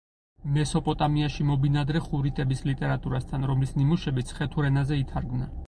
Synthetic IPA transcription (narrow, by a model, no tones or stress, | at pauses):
mɛsɔpʼɔt̪ʼamiaʃimɔbinad̪ɾɛχuɾit̪ʼɛbislit̪ʼɛɾat̪ʼuɾast̪ʰanɾɔmlisnimuʃɛbit̪sʰχɛt̪ʰuɾɛnazɛit̪ʰaɾɡmnɛn